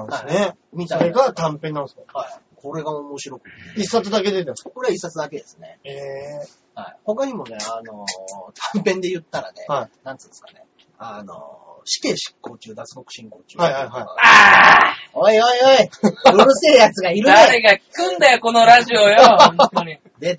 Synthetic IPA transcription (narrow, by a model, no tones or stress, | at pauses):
ãasne | mʲit̪aɡat̪ãmpẽnːãnske | ko̞ɾe̞ɡaomo̞ɕiɾo̞kɯ̥t̪isːat͡sɨd̪ake̞d̪et̪emsako̞ɾe̞aisːat͡sɨd̪ake̞d̪e̞sɨne̞̰e | haiho̞kaɲ̟imo̞ne̞ano̞t̪ʰãmpẽ̞nd̪e̞jɯ̟t̪ːaɾa̰ne̞̰anãntt͡sɨ̃ːnsɨ̥kane̞̰ | ano̰ | ɕi̥ke̞ːɕi̥kːo̞ːt͡ɕɨːd̪at͡sɨ̥ko̞kɯ̟̥ɕĩŋko̞ːt͡ɕɨ̰ːaahaiɦaia | oioioiɾoɾɯst̪eɾɯ̟jat͡sɨɡaiɾɯaeɡakkɯ̟̃nd̪ajoko̞noɾaʑiojõ | d̪e̞